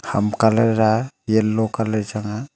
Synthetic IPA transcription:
ha̰mkaleɾajelːɔkaled͡ʒaŋa

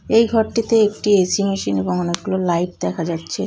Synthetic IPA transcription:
ejɡʱɔɾʈit̪eek̚ʈiesimeʃineboŋɔnek̚ɡulolajʈ̚d̪ɛkʰad͡ʑatːɕʰe

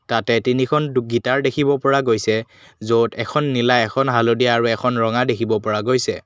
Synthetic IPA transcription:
tatɛtinikʰɔnduɡitaɹdekʰibɔpɔɹaɡojsɛ | zotɛkʰɔnːilaɛkʰɔnɦalodijaːɹuɛkʰɔnɹɔŋadekʰibɔpɔɹaɡojsɛ

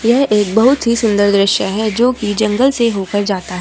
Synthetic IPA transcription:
jɛɦeːk̚bɐɦʊt̪ɦisʊ̃nd̪əɾd̪ɾɪʃjəɦɛd͡ʒoːkid͡ʒɐ̃ŋɡəlseɦoːkəɾd͡ʒaːt̪aɦɛː

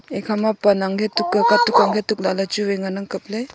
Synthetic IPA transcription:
ekʰamapanaŋkʰetukːɯkatukaŋɡʰetuk̚lalat͡ʃuweŋanɯŋkɯp̚le

